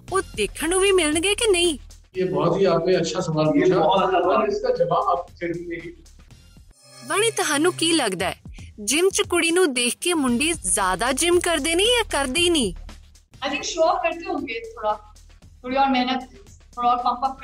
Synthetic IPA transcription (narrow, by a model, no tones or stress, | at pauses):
oːd̪eːkʰəɳũːʋiːmɪləɳɡeːkɪnə̃ĩː | eːbɔːt̪ɦiːaːpnẽːətːʃʰaːsəmaːlpiːt͡ʃʰaːãːɪskaːd͡ʒəʋaːbap̚ːt̪ʰeɾeːiː | bəɽ̃iːt̪ʊɦãːnũːkiːləɡd̪aːɛ̰ːd͡ʒɪmt͡ʃəkʊɽiːnũːd̪eːkʰkeːmʊɳɖeːzjaːd̪aːd͡ʒɪmkəɾd̪eːnĩːjaːkəɾd̪eːiːnĩː | ət̪ĩkʃɔːkkəɾd̪eɦõːŋɡeːt̪ʰoːɽaː | t̪ʰoɽiːɔːɾmɛ̃ːna | oːɾɔːɾmãːpaː